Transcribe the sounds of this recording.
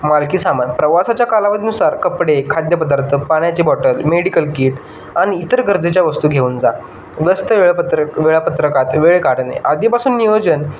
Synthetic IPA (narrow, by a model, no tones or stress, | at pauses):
malkiːsamanpɾəʋasat͡ɕjakalaʋəd̪ʱinusaɾkəpɽekʰad̪jəpəd̪aɾt̪ʰəpaɳ̃jat͡ɕebɔʈəlmeɽikəlkiːʈ | aɽ̃iːt̪əɾɡəɾd͡zet͡ɕjaʋəst̪uːɡʱeuːnd͡za | ʋəst̪əɭʋeɭapət̪ɾəkat̪ʋeɭekaɽnḛʔad̪ʱipasuːnːijod͡ʑən